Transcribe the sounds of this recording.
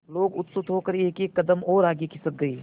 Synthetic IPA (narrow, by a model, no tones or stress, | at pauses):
loːɡʊt̪sʊt̪ɦoːkəɾeːkeːkːɐd̪əmɔːɾaːɡikɪsət̪̚ɡɐiː